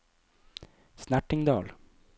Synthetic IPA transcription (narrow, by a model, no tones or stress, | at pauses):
snæʈɪŋd̪ɑːl